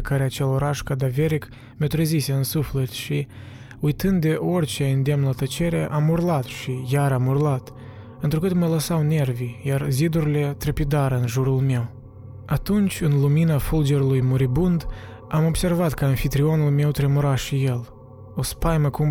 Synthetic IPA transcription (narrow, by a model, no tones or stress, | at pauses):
kaɾeat͡ʃe̞lo̞ɾaʃkad̪aveɾik | mʲet̪ɾəzise̞ɨnsuflet̪ʃi | ujt̪ɨnd̪d̪e̞ʔo̞rʲt͡ʃeɨnd̪emnlat̪ət͡ʃe̞ɾeʔamurlat̪ʃijaɾamurlat̪ | ɨnt̪ɾukɨt̪mələsawne̞rvijarzid̪uɾile̞t̪ɾepid̪aɾəɨnʒuɾulme̞w | at̪unt͡ʃʲɨnluminafuld͡ʒe̞ɾulujmuɾibund̪ | amo̞bse̞rvat̪kəɨnfit̪ɾio̞nulme̞wt̪ɾemuɾaʃije̞l | o̞spajməkum